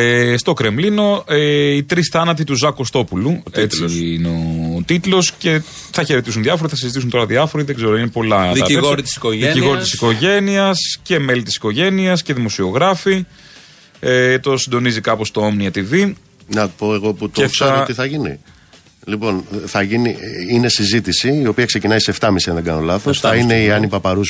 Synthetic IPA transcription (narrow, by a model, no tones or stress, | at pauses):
est̪o̞kɾe̞mlino̞eit̪ɾisθɐnɐt̪̬it̪uzɐkost̪o̞pulutett͡siineot̪it̪lo̞sce̞ | θɐçe̞ɾet̪is̬unðjɐfoɾiθɐsizit̪is̬unt̪o̞ɾɐðiɐfo̞ɾiðeɡze̞ɾoinepo̞lɐðiɣoɾit̪i̥si̥koðiciɣo̞ɾit̪isiko̞ʝe̞niɐsce̞me̞lit̪isi̥ko̞ʝe̞niɐsceðimo̞sio̞ɣɾɐfi | et̪o̞sind̪o̞nizikɐpo̞st̪oomniɐt̪ivi | nɐpo̞eɣo̞put̪oefsɐiθɐʝini | lipo̞nθɐʝiniine̞sizit̪isiio̞piɐksecinɐiseeft̪ɐmisiɐnðeɡɐno̞lɐθosɐineiɐnipɐpɐɾus